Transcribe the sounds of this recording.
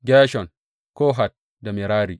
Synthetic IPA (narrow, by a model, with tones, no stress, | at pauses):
ɡʲɛː˦ʃɔ˨n | kɔː˦ɦa˨t̚ | da˨mi˨ɾaː˦ɾi˨